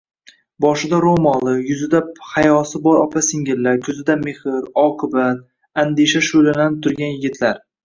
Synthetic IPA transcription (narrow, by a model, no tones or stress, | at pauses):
bɒʃɪd̪aɾomɒlˠɨjʊzɪd̪aphajɒsɪbɒɾɒpʰasɪŋɡʲɪlːakʰɵzɪd̪amehɪɾɒqʰɨbat̪ | and̪eʃaʃʊlananɪp̚t̪ʰʊɾɡʲanjɪɡʲɪt̪ʰlaɾ